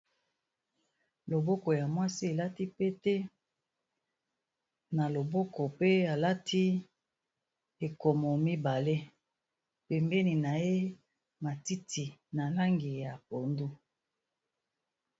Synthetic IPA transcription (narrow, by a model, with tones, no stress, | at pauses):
lo˨bɔ˦ko˨ja˨mwa˦si˦e˨la˦ti˦pe˦tɛ˦ | na˨lo˨bo˦kɔ˨pe˦a˨la˦tʰi˦ | e˨ko˨mo˨mi˦ba˨le˦ | pɛ˨mbe˦ni˨na˨je˦ | ma˨ti˦tʰi˨na˨la˦ŋɡi˨ja˨po˨ndu˦